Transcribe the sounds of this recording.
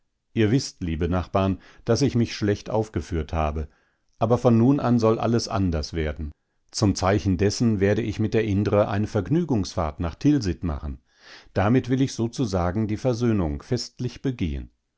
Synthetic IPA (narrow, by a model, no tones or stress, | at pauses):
ʔiːɐvɪstliːbənaχb̥aːɐn | d̥asɪçmɪçʃlɛçtʔa̰ʊfɡ̥əfyːɐthaːbə | ʔaːbɐfɔnːuːnʔa̰nzɔlʔa̰ləsʔa̰ndɐsv̥eːɐdn̩ | t͡sʊmt͡saɪçn̩dɛsn̩veːɐdəɪçmɪt̚d̥eːɐʔɪndəʁəʔa̰ɪnəfɛɐɡnyːɡʊŋsfa̰ːɐtnaːχtʰɪlzɪtma̰χən̩ | d̥amɪtvɪlɪçz̥oːt͡suzaːɡŋ̩diːfɛɐzøːnʊŋfɛstlɪçb̥əɡḛːə̰n